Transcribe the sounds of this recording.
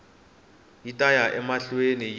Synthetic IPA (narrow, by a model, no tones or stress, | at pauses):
jitʼajaʔɛmaɬwenij